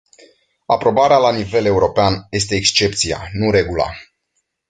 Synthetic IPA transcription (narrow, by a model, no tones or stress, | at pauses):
apɾo̞baɾealanive̞le̞uɾo̞peanje̞s̬t̪e̞ːkst͡ʃe̞p̚t̪sija̰nuɾe̞ɡula̰